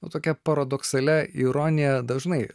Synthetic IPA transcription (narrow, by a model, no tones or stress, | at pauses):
ʊt̪oːkʲɛpɐɾɐd̪ɔksɐlʲɛiɾoːnʲɪjɛd̪ɐʒnɐɪ